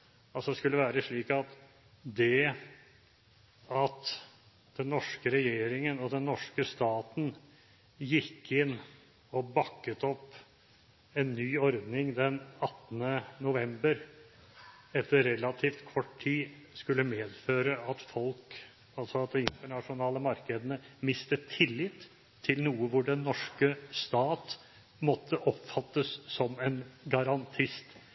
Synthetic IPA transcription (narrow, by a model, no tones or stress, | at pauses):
ɑlsɔd̪ɛskʉlːəʋæːɾəʂɭiːkɑt̪ | d̪ɛ | ɑt̪ | d̪̥ɛnːɔʂkəɾɛjeːɾɪŋənɔd̪ɛnːɔʂkəst̪ɑːt̪n̩ | jɪkʰːɪnː | ɔbɑkːət̪ɔpː | ɛnːyːɔɾd̪nɪŋd̪ɛnɑt̪nənʊʋɛmbəɾ | ɛt̪ːəɾɾɛlɑt̪ʰiːft̪kʰɔʈʰiːskʉlːəmeːd̪føːɾəɑt̪fɔlk | ɑlsɔɑt̪̚d̪ɛɪnt̪əɳɑʂʊnɑːləmɑɾkəd̪ənəmɪst̪ət̪ʰɪlːɪt̪ʰː | ɪlnuːəʋʊɖɛnːɔʂkəst̪ɑːt̪ | mɔt̪ʰːəʔɔpfɑt̪ːəsːɔmɛnɡɑɾɑnt̪ʰɪst̪